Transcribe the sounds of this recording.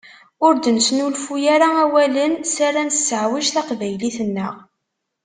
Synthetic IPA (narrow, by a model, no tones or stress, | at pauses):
ʊɾd̪ənsnulfujaɾaæwælənsaɾansəʕwiʃθaqvæjliθənːə̰ʁ